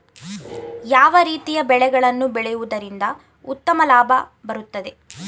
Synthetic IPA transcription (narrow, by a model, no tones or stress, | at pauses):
jaːʋɐɾiːt̪ijɐbɛɭɛɡɐɭɐnːubɛɭɛjuʋud̪ɐɾind̪ɐ | ut̪ːɐmɐlaːbʱɐbɐɾut̪ːɐd̪e̞